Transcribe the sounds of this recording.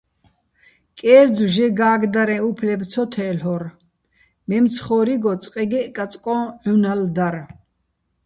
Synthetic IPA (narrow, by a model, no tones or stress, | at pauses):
kʼɛːɾd͡zuʒɛɡaːɡd̪aɾɛ̃upʰlɛbt͡sʰɔt̪ʰɛlɔɾ | mɛmt͡sʰχɔːɾiɡɔt͡sʼqʼɛɡɛkʼat͡sʼkʼɔ̃ʕunald̪aɾ